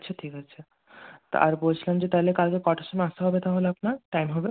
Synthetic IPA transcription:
t͡ɕʰeʈʰikɦat͡ɕʰe | a̰ɾbolt͡ɕʰilamd͡ʑet̪aɦelekalkekɔʈḁʃomeaʃt̪eɦɔbet̪aɦoleapnaɾʈajmɦɔbe

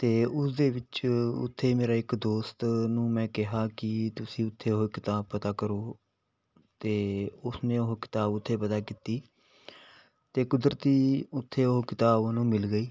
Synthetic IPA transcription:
t̪eːʊsd̪eːʋɪt͡ʃʊ̰t̪ʰːeːmeːɾaːɪkd̪oːst̪nũːmɛ̃ːkɪɦaːkɪt̪ʊsĩːʊt̪ʰːeːokɪt̪aːb̚pət̪aːkəɾoː | t̪eːʊsnẽːʊɦkɪ̥t̪aːbʊt̪ʰːeːpət̪aːkiːt̪iː | t̪eːkʊd̪ɾət̪iːʊt̪ʰːeːoɦkɪt̪aːbnũːmɪlɡəiː

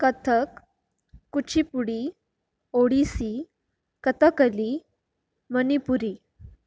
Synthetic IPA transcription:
kət̪ʰəkː | ut͡ɕʰipuɽi | oɽisi | kət̪əkəli | mənipuɾi

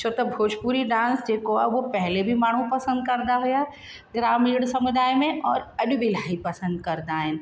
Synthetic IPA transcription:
t͡ʃʰot̪ɐbʱoːd͡ʒpuːɾiɖãːnsd͡ʒeːkoaʋopɛɦlebʱimaːɳ̤ũpɐsə̃nd̪̚kɐɾd̪aɦʊjaɛ | ɡɾaːmiːɽsɐmʊd̪aːjmẽʔɔːɾɐɗbʱilaːipɐsə̃nd̪kɐɾd̪aːɦɪnɪ̆

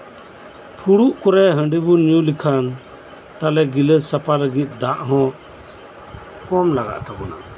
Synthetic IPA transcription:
pʰuɽuʔkɔɾɛɦə̃ɳɖibunjũlikʰan | t̪alɛɡiləsapaləɡit̪̚ˀd̪aʔɦɔ̃ | kɔmlaɡa̰ʔt̪abɔna̰

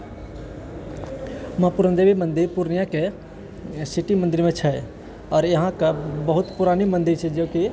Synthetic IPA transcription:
mãpuɾənd̪ebimə̃nd̪iɾpuɾnijake | siʈimənd̪iɾmẽt͡ʃʰɛ | ɔːɾjəɦãkabəɦut̪puɾanimə̃nd̪iɾt͡ʃʰɛd͡ʒoːki

